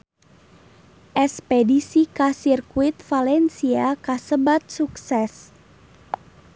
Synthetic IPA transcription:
ʔɛspɛdisikasirkuit̪̚falɛnsiakasəbat̪̚suksɛs

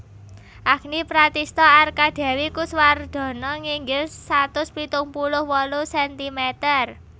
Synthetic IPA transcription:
ʔaknipɾat̪ist̪ɔarkad̪̥a̤wikusward̪̥ɔ̤nɔŋiŋɡɪlsat̪ʊspit̪ʊŋpulʊhwɔlusɛnt̪imɛt̪ər

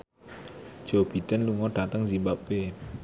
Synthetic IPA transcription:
d͡ʒob̥id̥ənluŋɔɖ̥at̪əŋzimbabe

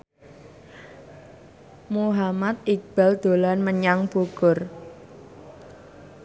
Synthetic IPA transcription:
muɦamat̪̚ik̚b̥a̤ld̪̥o̤lanməɲaŋb̥uɡ̥ʊr

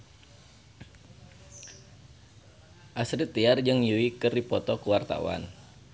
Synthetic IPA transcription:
ʔasɾit̪ːiard͡ʒɨŋjuikəripɔt̪ɔkəwart̪a̰wa̰n

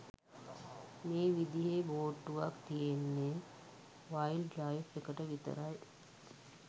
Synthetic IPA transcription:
meːʋid̪iɦeboːʈːuʋak̚t̪ijenːe | ʋajlɖɾajfekəʈəʋit̪ə̰ɾaj

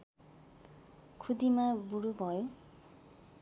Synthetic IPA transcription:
kʰud̪imabuɾubʱʌjo

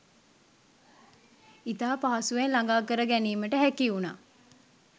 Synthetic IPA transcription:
it̪aːpaːsuʋenlaŋɡaːkəɾəɡæniːməʈəɦækiunaː

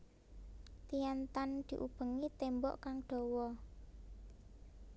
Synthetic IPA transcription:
t̪ijant̪and̪̥i̤ʔub̥ə̤ŋit̪embɔ̰ʔkaŋɖ̥ɔ̤wɔ

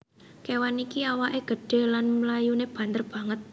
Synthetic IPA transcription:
kewanikiawaʔeɡ̥ə̤ɖ̥e̤lanməlajuneb̥a̤nd̪ərb̥ä̤ŋət̪̚

